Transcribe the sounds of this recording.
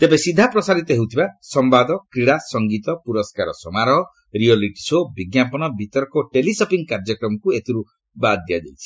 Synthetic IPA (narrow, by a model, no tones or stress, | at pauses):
t̪ebesid̪ʱːapɾɔsaɾit̪ɔɦewt̪ʰibasɔmbad̪ʱɔkɾiɽasɔŋɡit̪ɔpuɾɔskaɾɔ̰sɔmaɾɔɦɔ | ɾiɔliʈi̥sobiɡjapɔnɔbʱit̪ɔɾkɔʈelisɔpiŋkaɾd͡ʒɔkɾɔmɔkuet̪ʰiɾu | bad̪ːijad̪ewt͡ʃʰi̥